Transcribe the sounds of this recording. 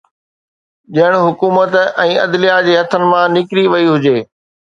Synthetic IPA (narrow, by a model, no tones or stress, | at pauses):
ʄɐɪɽ̃ɦʊkuːmət̪ɛ̃ːɐd̪lijad͡ʑeːɦɐt̪ʰənɪ̆mãnɪkɾiʋɐiɦʊd͡ʑeː